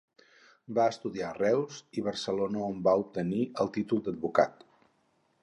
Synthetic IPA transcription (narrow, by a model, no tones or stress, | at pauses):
baəst̪uðiarɛwziβ̞ərsəlonəombaup̚t̪əniəlˠt̪it̪ulˠd̪əd̪̚buka̰t̪